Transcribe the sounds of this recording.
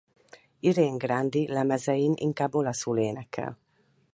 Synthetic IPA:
iɾeːŋɡrand̪ilɛmɛzɛjinḭŋkaːbːo̞lɒsuːleːnɛkʰːɛ̰l

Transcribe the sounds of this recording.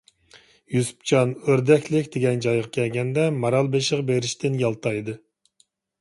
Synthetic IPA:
jusu̥p̚t͡ʃʰɑnøɾd̪ɛkʲlɪkʲd̪̥eɡʲɛnd͡ʒɑjʁɑkʲʰɛlɡʲɛnd̪ɛmɑɾɑlˠbeʃɪʁbeɾɪʃt̪ʰɪnjɑlˠt̪ʰɑjd̪ɨ

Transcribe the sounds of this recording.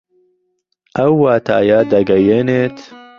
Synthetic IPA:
ʔɐwːaːt̪ʰa̰ːjaːd̪ɐɡɐjeːneːt̪

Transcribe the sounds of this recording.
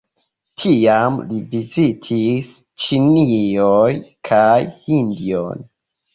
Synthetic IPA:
tʰiamlivizitʰis | t͡ʃiniojkʰajhindio̰n

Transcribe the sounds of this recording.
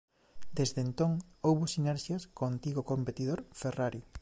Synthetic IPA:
d̪ezdent̪oŋowβʊsinɛɾʃjɐskoant̪iɣokompet̪iðoɾferaɾi

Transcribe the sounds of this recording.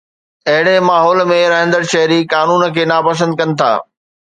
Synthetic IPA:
ɐɦɪɽemaːɦɔːlmẽɾɐɦɪ̃nd̪əɾʃɐɦɾikaːnuːnkʰeːnaːpɐs̬ə̃nd̪̚kɐnɪ̆t̪ʰa̰ː

